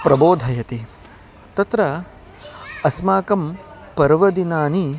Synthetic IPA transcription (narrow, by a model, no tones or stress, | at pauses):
pɾɐboːd̪ʱɐjɐt̪i | t̪ɐt̪ɾɐ | ɐsmaːkɐm | pɐɾʋɐd̪inaːni